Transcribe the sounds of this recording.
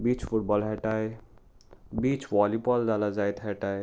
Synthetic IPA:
biːt͡ʃfʊʈbɔːlɦɛʈaːe | biːt͡ʃʋɔːlipɔːld̪aːlazaːet̪ɦɛːʈaːe

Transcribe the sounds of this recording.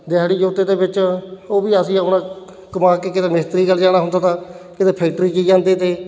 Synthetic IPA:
d̪ɪɦaːɽiːd͡ʒoːt̪eːd̪eːbɪt͡ʃoːbiːəsĩːəpnãː | kəmaːkeːkɪt̪eːmɪst̪əɾiːɡəlːd͡ʒaːɽ̃aːɦʊ̃nd̪aːt̪aː | kɪt̪eːpʰɛːkʈɾiːkiːd͡ʒãːnd̪eːt̪eː

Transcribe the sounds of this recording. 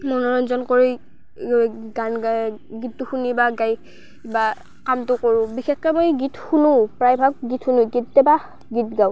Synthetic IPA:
mɔnɔɹɔnzɔnkɔɹi | ɡanɡaɡittːʊxunibaɡaj | iba | kamtʊkoɹʊ̃bixɛxkɛmojɡitxunʊpɹajbʱak̚ɡitʰxunuɡit̚tɛba | ɡitɡaw

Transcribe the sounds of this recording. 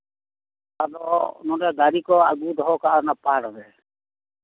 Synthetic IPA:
tad̪ɔnɔɾɛɡaɾikɔaɡud̪ɔɦɔkaʔnapaɽɔɾɛ

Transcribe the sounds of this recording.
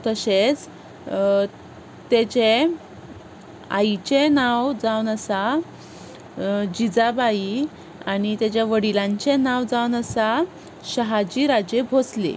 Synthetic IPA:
t̪əɕet͡s | t̪et͡ɕe | a̰jt͡ɕenawd͡zawnəsa | d͡ʑid͡zabai | aɽ̃it̪jet͡ɕjaʋəɽilãɲt͡ɕenaʋd͡zawnəsa | ɕəɦad͡ʑiɾad͡ʑebʱoslḛ

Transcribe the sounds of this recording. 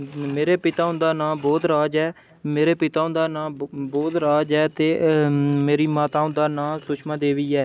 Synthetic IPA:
meːɾeːpɪt̪aːʊ̃nd̪aːnãːboːd̪ɾaːd͡ʒɛː | meːɾeːpɪt̪aːʊ̃nd̪aːnãːboːd̪ɾaːd͡ʒɛːt̪eːmeːɾiːmaːt̪aːʊ̃nd̪aːnãːsʊt͡ʃʰmãːd̪eːʋiːɛː

